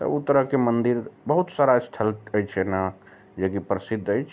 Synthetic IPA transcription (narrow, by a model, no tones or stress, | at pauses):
t̪ə̰ut̪ːəɾəɦkemənd̪iɾbəɦut̪saɾasʈ̪ʰəlt̪əjt͡ʃʰɛna | d͡ʒekipɾəsid̪ʱːəjt͡ʃʰ